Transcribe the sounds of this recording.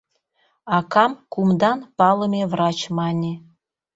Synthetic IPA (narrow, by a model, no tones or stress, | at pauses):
ɑkɑmkumd̪ɑnpɑlˠə̆mʲevrɑt͡ɕmɑnʲe